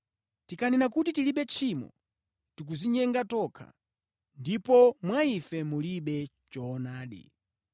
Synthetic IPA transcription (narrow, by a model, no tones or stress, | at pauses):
tikʰaninakutitiliɓɛt͡ʃʰimɔ̰ | tik̬uziɲɛŋɡatɔkʰa̰ | ndipɔmwaifɛmuliɓɛ | t͡ʃɔːnaːɗḭ